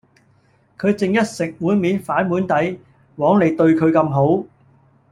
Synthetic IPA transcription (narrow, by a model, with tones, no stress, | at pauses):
kʰɵ˨˧ɥt͡sɪ˨ŋjɐ˥t̚sɪ˨k̚wuː˨˥jmiː˨˥nfaː˨˥nmuː˨˥nt̪ɐ˨˥j | wɔː˨˥ŋle˨˩jt̪ɵ˧ɥkʰɵ˨˧ɥkɐ˧mɦo˨˥w